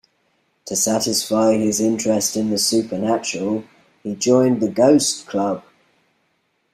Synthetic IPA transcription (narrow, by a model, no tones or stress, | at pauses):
tʰəsatɪsfaɪɪzɪ̃nt͡ʃɹ̥ɛstɪ̃nðəsʉˑpʰənat͡ʃəɹəlˠ | hid͡ʒɔ̃ɪ̃nðəɡəʊskʰl̥ʌb̥